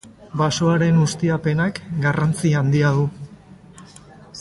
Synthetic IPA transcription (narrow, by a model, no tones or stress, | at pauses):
baso̞aɾe̞nust̪iape̞nakɡarant͡siand̪iaðu